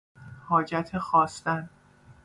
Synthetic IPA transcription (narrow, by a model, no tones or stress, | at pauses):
hɒːd͡ʒæt̪ʰexɒːst̪æn